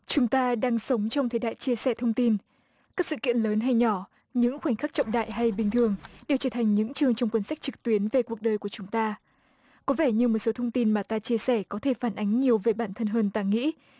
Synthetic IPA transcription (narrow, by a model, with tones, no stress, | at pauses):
t͡ɕʊ˨˦ŋ͡mt̪aː˧ɗaː˧ŋsə˨˦wŋ͡mt͡ɕɔ˧wŋ͡mt̪ʰe˨˦ɗa̰ː˧˨jt͡ɕi˧əsɛ˧˩t̪ʰə˧wŋ͡mt̪i˧n | kaː˦˥k̚sɨ̰˧˨kḭ˧˨ənləː˨˦nɦa˧jɲɔ˧˩ | ɲɨ̰˧˥ŋxwa˧˩ŋ̟xa˦˥k̚t͡ɕɔ̰˧˨wŋ͡mɗa̰ː˧˨jɦa˧jɓï˨˩ŋ̟t̪ʰɨ˨˩əŋɗe˨˩wt͡ɕəː˧˩t̪ʰa˨˩jŋ̟ɲɨ̰˧˥ŋt͡ɕɨ˧əŋt͡ɕɔ˧wŋ͡mkwə˧nsa˦˥jk̚t͡ɕɨ˨˩k̚t̪wi˨˦ənve˨˩ku˨˩ək̚ɗəː˨˩jku˧˩ət͡ɕʊ˨˦ŋ͡mt̪aː˧ | kɔ˨˦vɛ˧˩ɲɨ˧mo˨˩t̚so˨˦t̪ʰə˧wŋ͡mt̪i˧nmaː˨˩t̪aː˧t͡ɕi˧əsɛ˧˩kɔ˨˦t̪ʰe˧˩faː˧˩nʔa˨˦jŋ̟ɲi˨˩əwve˨˩ɓaː˧˩nt̪ʰə˧nɦəː˧nt̪aː˧ŋḭ˧˥